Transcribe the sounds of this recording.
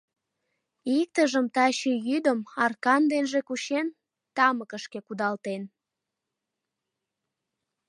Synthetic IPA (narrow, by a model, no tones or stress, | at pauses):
ik̚t̪əʒəmt̪ɑɕejyd̪əmɑrkɑnd̪enʒekuɕen | t̪ɑməkəʃkekud̪ɑlt̪en